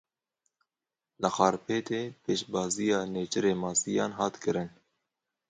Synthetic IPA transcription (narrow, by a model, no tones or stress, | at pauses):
lɨxɑːɾpʰeːt̪eːpʰeːʃbɑːzijɑːneːt͡ʃɨɾeːmɑːsijɑːnɦɑːt̪kɨɾɨn